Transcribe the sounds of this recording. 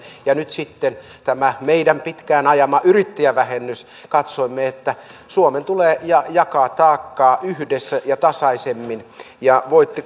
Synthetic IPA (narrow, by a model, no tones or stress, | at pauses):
jɑnyt̪sit̪ːent̪æmæmeidæmpit̪kæːnɑjɑmɑʔyrit̪ːijæʋæhenːys | kɑt̪soimːeet̪ːæsuoment̪uleːjɑjɑkɑːt̪ɑːkːɑːʔyhdesːæjɑt̪ɑsɑisemːin | jɑʋoit̪ːi